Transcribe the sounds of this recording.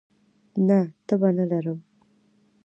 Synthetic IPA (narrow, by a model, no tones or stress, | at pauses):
nat̪əbanalaɾəm